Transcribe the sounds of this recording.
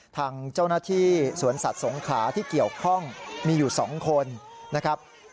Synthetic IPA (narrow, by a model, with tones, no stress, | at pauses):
t̪ʰaː˧ŋt͡ɕa˥˩wnaː˥˩t̪ʰiː˥˩su˩˦ənsa˨˩t̪̚so˩˦ŋkʰaː˩˦t̪ʰiː˥˩ki˨˩əwkʰɔ˥˩ŋmiː˧juː˨˩sɔ̰ː˩˦ŋkʰo˧nːa˦˥kʰɾa˦˥p̚